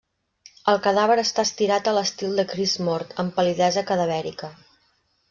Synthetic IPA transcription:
əlˠkəðaβəɾəst̪aːst̪iɾat̪ələst̪ilˠd̪əkɾizmɔɾt̪əmpəliðɛzəkəðəβɛɾḭkə

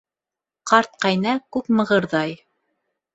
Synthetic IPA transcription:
qɑɾt̪̚qɑjnɑkʉpmɤ̆ʁɤ̆ɾðɑj

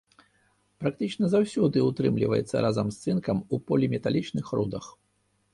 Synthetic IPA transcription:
pɾak̚t̪ɨt͡ʂnɐzawsʲud̪ɨut̪ɾɨmlʲḭvɐ̰jɛ̰t̪sːɐ̰ɾʔazɐmst̪sɨnkɐmupɔlʲimʲɛt̪alʲit͡ʂnɨxɾṵd̪ɐx

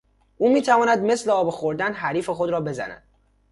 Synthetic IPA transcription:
ʔuːmiːt̪ʰævɒːnæd̪mesleɒːbexoɾd̪ænɦæɾiːfe̞xo̞d̪ɾɒːbe̞zæ̰næ̰d̪̥

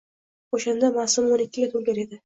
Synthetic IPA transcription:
oʃand̪amasʊmonɪkʲːɪɡʲat̪ʰolɡʲaɾe̞d̪ɪ

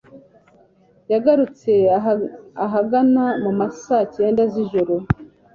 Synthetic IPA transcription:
jaɡaɾut͡se̞ | aɦaɡanamumasace̞ːndaziʒoɾo

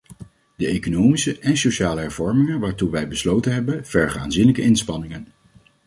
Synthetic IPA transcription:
d̥əejkonowmisəʔɛnsoʃaːləɦɛɹv̥ɔɹmɪŋənʋaːɹtuʋɛjbəslowtənɦɛbənv̥ɛɹχəa̰ːnzinləkəʔɪnspɑnɪŋən

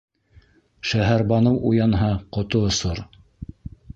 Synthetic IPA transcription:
ʃæɦæɾbɑnɤwʔujɑnɦɑqŏt̪oosoɾ

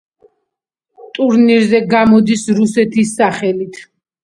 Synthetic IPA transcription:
t̪ʼuɾniɾzɛɡamɔd̪isɾusɛt̪ʰisːaχɛlit̪ʰ

